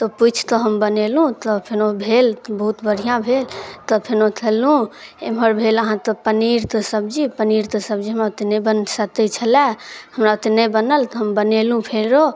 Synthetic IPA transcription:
t̪ɔput͡ʃʰt̪ɔɦəmbənelɦũt̪ɔpʰenobʱelbəɦut̪bəɽ̤ijãbʱelt̪ɔpʰenot̪ʰelɦũeməɾbʱeləɦãt̪ɔpəniɾt̪ɔsəb̚d͡ʒipəniɾt̪ɔsəbd͡ʒiɦəmɾaut̪nebənsət̪ɛt͡ʃʰəlɛ̃həmɾaut̪nebənəlt̪ɔɦəmbənelũpʰeɾo

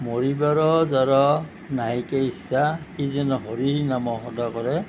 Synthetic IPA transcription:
moɹibaɾɔzaɾɔ | naɦikeisakizɛnɔɦɔɾinamɔɦɔdakɔɾɛ

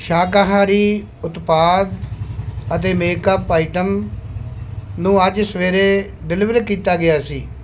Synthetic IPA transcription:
ʃaːkaɦãːɾiː | ʊt̪paːd̪ | ət̪eːmeːkəpːaːɪʈəm | nũːəd͡ʒsʋeːɾeː | ɖɪlɪʋəɾkiːt̪aːɡɪaːsiː

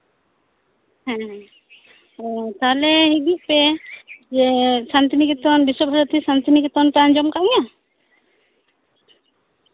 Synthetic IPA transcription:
ɦɛ̃ɦɛ̃ | t̪alɛɦiɡ̪iʔped͡ʒesant̪inikit̪ɔnbisɔbʱaɾɔt̪isant̪inikit̪ɔnt̪and͡ʒɔmkaʔja

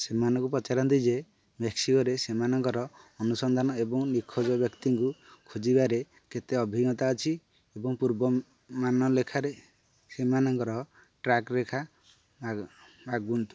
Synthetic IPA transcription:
semanɔ̃ŋkupɾɔt͡ʃaɾɔnt̪id͡ʒe | beksikɔɾesemanɔŋkɔɾɔːnusɔnd̪ʱanɔebɔŋnikʰːɔd͡ʒɔbjɔkt̪iŋkukʰod͡ʒibaɾe | ket̪eɔbʱiɡɔt̪aɔt͡ʃʰi | ebɔŋpuɾbɔ | manɔlekʰaɾe | semanɔŋkɔɾɔ | ʈɾakɾekʰa | baɡunt̪u̥

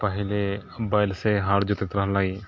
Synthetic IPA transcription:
pəɦɪlebaːɪlseɦaːɾd͡ʒʊt̪ɪt̪ɾəɦlaːiː

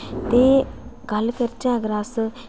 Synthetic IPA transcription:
t̪eːɡəlkəɾt͡ʃãːɡɾaːs

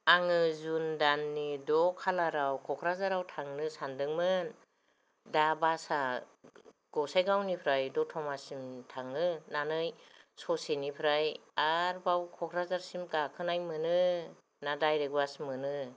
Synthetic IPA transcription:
aŋɯzundanːidɔkʰalaɾawkʰɔkʰɾazaɾawtʰaŋnɯsandɯŋmɯn | dabasa | ɡ̥ɔwsajɡawnipʰɾajdɔtʰɔmasimtʰaŋnɯnanɯjsɔsenipʰɾajaɾbawkʰɔkʰɾazaɾsimkakʰɯnajmɯnɯ | nadajɾeɡuasmɯnɯ

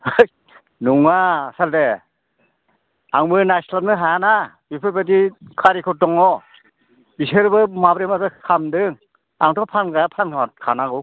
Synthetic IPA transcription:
j | nuŋasalde | aŋmɯnasnalnɯɦajana | bipʰɯɾpat̬ikʰaɾikʰɔtɔŋɔ | biseɾbɯmabɾemazɯkʰamdɯŋ | aŋtʰɔpʰanɡajapʰankʰakʰanaɡɯ

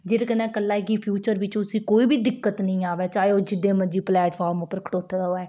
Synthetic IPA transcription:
d͡ʒeːɾekənɛ̃ːkəlːaːekipʰjuːt͡ʃəɾʋɪt͡ʃʊsĩːkoːiːbiːd̪ɪkːət̪nəĩːaːʋɛːt͡ʃaːeoːd͡ʒɪd̪eːməd͡ʒiːplɛːʈpʰaːɾmopːəɾkʰə̥ʈoːt̪ʰːd̪aɦoɛː

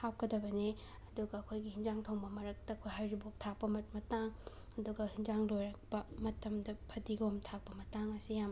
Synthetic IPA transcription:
hawkɐdɐbɐni | ɐduɡɐːkʰojɡihind͡ʒaŋtʰowŋbɐmɐɾɐk̚tɐːkʰojɦajɾibok̚tʰak̚pɐmɐt̚mɐtaŋ | ɐduɡɐhind͡ʒaŋlojɾɐk̚pɐmɐtɐmdɐpʰɐdiɡɐomtʰak̚pɐmɐtaŋɐsijam

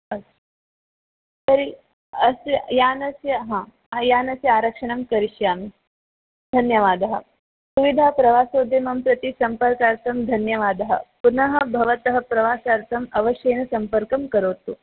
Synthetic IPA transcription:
ɐs | t̪ɐɾi | ɐsjaːnɐsjɐɦãː | jaːnɐsjaːɾɐkʂɐɳɐmkɐɾiʃjaːmi | d̪ʱɐnjɐʋaːd̪ɐɦɐ̆ | suʋid̪ʱaɦɐpɾɐʋaːsoːd̪ʱemɐmpɾɐt̪isɐmpɐɾkaːɾt̪ʰɐmd̪ʱɐnjɐʋaːd̪ɐɦɐ̰punɐɦɐbʱɐʋɐt̪ɐɦɐpɾɐʋaːsaːɾt̪ʰɐmɐʋɐʃjɐjnɐsɐmpɐɾkɐmkɐɾoːt̪u

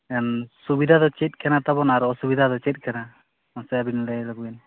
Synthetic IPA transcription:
ɛnsubid̪ʱad̪ɔt͡ʃɛt̪̚ˀkʰɛnat̪abɔnaɾɔsubid̪ʱad̪ɔt͡ʃɛt̪̚ˀkʰɛna | nasɛjabinlɛlɔɡ̚bɛn

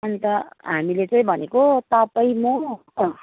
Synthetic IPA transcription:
ʌnt̪ʌɦamilet͡sʌĩbʱʌnekot̪ʌpaĩmo

